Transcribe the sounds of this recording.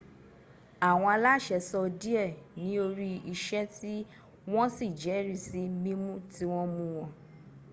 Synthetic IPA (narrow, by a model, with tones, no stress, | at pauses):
a˨w̃ɔ̃˧a˧la˦˨ʃɛ˧sɔ˧di˦ɛ˦˨nĩ˦o˧ɾi˦i˧ʃɛ˦ti˦ | w̃ɔ̃˦si˦˨d͡ʒɛ˨˦ɾi˦˨si˨˦mĩ˦mũ˦ti˦w̃ɔ̃˦mũ˦w̃ɔ̃˧